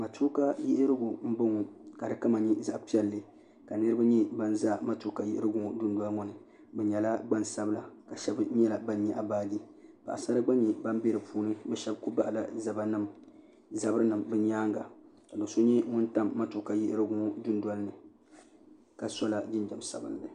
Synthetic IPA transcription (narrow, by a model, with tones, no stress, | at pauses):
ma˨tʰu˦ka˦ji˦ʔɾɨ˦ɡu˨m̩˦bo˦ŋɔ˨ka˨dɨ˨˦ka˦ma˨ɲi˦za˦ʔpi˦ɛ˦lːɨ˨ | ka˨nɨ˦ɾɨ˦ba˦ɲɛ˦ba˦n˦za˦˨ma˦tu˦ka˨ji˦ʔɪ˦ɾɨ˦ɡʊ˦ŋɔ˨dʊ˦n˦dwa˦lŋɔ˦˨nɨ˨ | bɛ˨ɲɛ˨la˦ɡ͡ba˦nsa˦bɨ˦la˨ka˨ʃɛ˦bɲɛ˦la˨ba˦n˦ɲɛ˨ʔa˨baː˦di˦ | b̥a̰˨ʔa˨sa˦ɾa˦ɡ͡ba˦ɲ˦ɲi˨ba˦m˦be˦ɾɨ˨pʰuː˦nɨ˦bɛ˦ʃɛ˦bku˦ba˦ʔla˨za˨ba˦nɨ˦m | za˨bɨ˦ɾɨ˦nɨ˨mbɨ˦ɲaː˦ŋɡa˨ka˨do˨so˦ɲɛ˦ŋʊ̃˦n˦ta˦mːa˦tu˨ka˨ji˦ʔɪ˦ɾɨ˦ɡʊ˦ŋɔ˦dʊ˦nda˦lɨ˦nɨ˨ | ka˨sɔ˦la˨d͡ʒɪ˦nd͡ʒɛ˨m˨sa̰˨bɨ̰˨n˦lɨ˨